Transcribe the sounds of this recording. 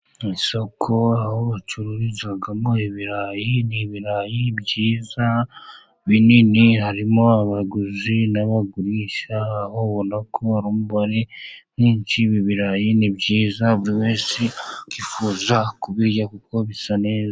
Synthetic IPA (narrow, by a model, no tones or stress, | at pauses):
iso̞kʰo̞ahoβat͡ʃuɾuɾizaɡamoiβiɾaːjiniβiɾaːjibɟiːza | βininiɦaɾimo̞aβaɡuzinaβaɡuɾiːʃaːhoβonakʰoaɾuːmuβaɾen̥iːɲt͡ʃiβiβiɾajinibɟiːzaβuɾiweːsikifuːzakuβijakukkoβisane̞ːza